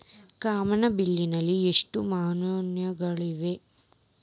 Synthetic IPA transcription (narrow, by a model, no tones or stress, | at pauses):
kaːmɐnɐbilːinɐlːieʂʈumaːnonjɐɡɐɭiʋe̞